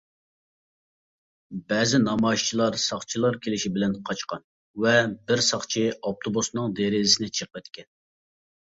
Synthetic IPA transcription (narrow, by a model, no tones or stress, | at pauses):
bɛːzɪnɑmɑiʃt͡ʃʰilˠɑɾsɑχt͡ʃʰilˠɑɾkʲʰelɪʃibɪlɛnqʰɑt͡ʃqɑn | vɛbɪɾsɑχt͡ʃʰiɑp̚t̪ʰobusnɨŋd̪eɾɪzɪsɪnɪt͡ʃʰəq̚pɛt̪kʲɛn